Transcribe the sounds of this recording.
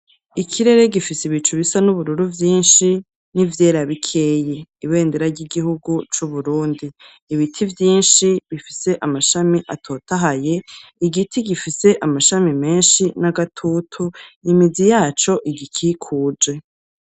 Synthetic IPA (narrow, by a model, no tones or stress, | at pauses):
ikʰiɾe̞ɾe̞ɡifisiβit͡ʃuβisanuβuɾuɾuvjiːnʃi | nivje̞ːɾaβikʰe̞ːjeiβe̞ːndeɾaɾɟiɡihuɡut͡ʃuβuɾuːndiː | βitʰivjiːnʃiβifise̞ʔamaʃamiʔatʰo̞ːtaɦaje̞iɡitʰiɡifise̞ʔamaʃamime̞ːnʃinaɡatʰuːtʰuimizijaːt͡ʃo̞ʔiɡikʰiːkʰuːd͡ʒe̞